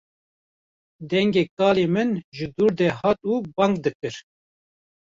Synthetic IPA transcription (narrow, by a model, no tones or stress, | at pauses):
d̪ɛŋɡeːkɑːleːmɨnʒɨd̪uːɾd̪ɛhɑːt̪uːbɑŋkd̪ɨkɨɾ